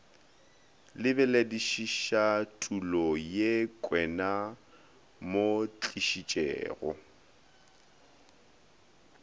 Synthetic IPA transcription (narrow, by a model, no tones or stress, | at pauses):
lɪbɛlediʃiʃatʼulɔjekʼwɛna | mot͡ɬʼiʃit͡ʃʼɛ̰ːɣɔ̰